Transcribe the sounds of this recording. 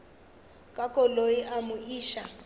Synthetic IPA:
kʼakʼɔlojiʔamʊiːʃa

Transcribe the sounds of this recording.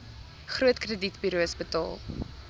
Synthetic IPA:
χruətkrəditbiɾuəsbətɑ̰ːlˠ

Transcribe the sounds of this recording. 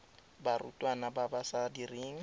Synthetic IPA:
barṵtʼwanababasadiriːŋ̩

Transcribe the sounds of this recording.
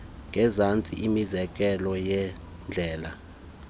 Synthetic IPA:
ŋɡʱɛzant͡sʼḭʔimizɛk̬ʼɛlɔjɛ | nd͡ɮʱɛːla̰

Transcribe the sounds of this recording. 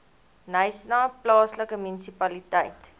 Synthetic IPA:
nəjsnɑːplɑːsləkəmynisipɐlitəjt

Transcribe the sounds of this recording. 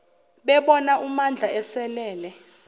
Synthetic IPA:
ɓɛɓɔnaʔumand͡ɮʱaɛsɛlɛːlɛ

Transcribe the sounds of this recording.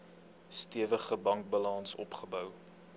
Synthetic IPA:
stiəvəχəbɐŋk̚bɑlɐnsɔ̰pχəbœw

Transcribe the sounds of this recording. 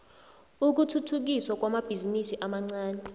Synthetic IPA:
uk̬utʰutʰuk̬iswak̬wamab̥ʱizinisiʔamaŋ͡ǀaːnɛ

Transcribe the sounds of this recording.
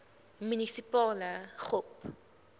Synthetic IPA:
mynisipɑːləχɔp

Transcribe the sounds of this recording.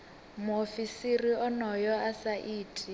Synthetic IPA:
mʊofisiriɔnɔjɔasaʔiːtʼi

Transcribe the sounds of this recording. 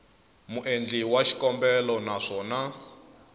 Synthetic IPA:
muʔend͡ɮiwaʃi̥kɔmbɛlɔnaʂɔːna

